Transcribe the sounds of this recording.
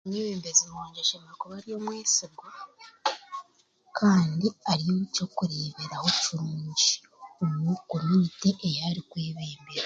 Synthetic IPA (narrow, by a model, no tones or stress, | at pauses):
omeːβeːmbezimoːɲɟeʃemakuβaɾijo̞mweːsiɡɡwa | kʰaːndiaɾijoβico̞kuɾeːβeɾaho̞ciɾuːɲɟi | omwuko̞minite̞ʔːjaɾikwe̞ːβeːmbe̞ɾa